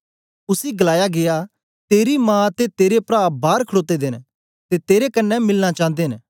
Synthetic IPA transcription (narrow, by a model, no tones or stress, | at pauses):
ʊsiɡɐlaːjaɡeja | t̪eːɾimãːt̪et̪eːɾepɾaːbʱaːɾkʰəɽoːt̪ed̪eːn | t̪et̪eːɾekɐnːɛmɪlnat͡ʃãːnd̪eːɦn